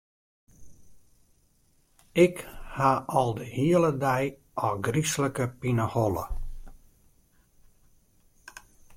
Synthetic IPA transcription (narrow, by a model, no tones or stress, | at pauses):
ɪkhaʔɔlˠdəhiələdɛj | ʔɔɡrisləkəpinəhɔlə̰